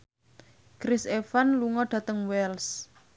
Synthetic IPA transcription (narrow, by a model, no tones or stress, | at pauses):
kɾɪsefanluŋɔɖ̥ä̤t̪əŋwɛls